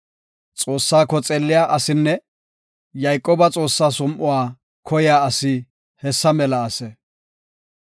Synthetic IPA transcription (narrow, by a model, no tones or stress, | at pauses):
t͡sʼo̞ːsːaːkːɔt͡sʼeːlːɪjaːʔɐsɪnːɛ | jɐjkʼːoːbɐt͡sʼo̞ːsːaːsɔmʔʊwaː | kʰɔjɪjaːɐsɪ | hɛsːɐmɛlɐɐsɛ